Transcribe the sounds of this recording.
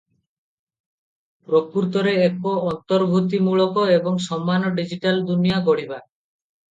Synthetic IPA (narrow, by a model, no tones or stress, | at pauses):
pɾopuɾt̪ɔɾeekoɔnt̪ɔɾbʱut̪imuɭɔkɔebɔŋsɔmːanɔɖid͡ʒiʈald̪unijaɡoɽ̤iba